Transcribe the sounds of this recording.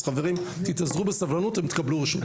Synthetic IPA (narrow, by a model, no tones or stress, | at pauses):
χaveʁim | t̪it̪azʁubesavlanut̪imt̪kabluʁiʃmi